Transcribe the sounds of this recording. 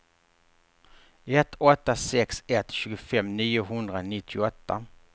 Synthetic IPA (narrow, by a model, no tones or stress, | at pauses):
ɛt̪ʰːɔt̪ːasɛksɛt̪ɕʉ̟ːɡʊfɛmniːʊɦɵnd̪ɾanɪt̪ʰːɪɔt̪ːa̰